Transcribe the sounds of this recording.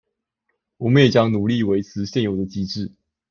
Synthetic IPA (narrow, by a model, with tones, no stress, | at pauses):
wɔ˨˩mə˦njɛ˨˩t͡ɕjɑ˥ŋnu˨˩li˥˨we˧˥ɪt͡sʰɹ̩˧˥ɕjɛ˥˩njo˨˩ʊd̪ə˧t͡ɕi˥ʈ͡ʂɻ̩˥˩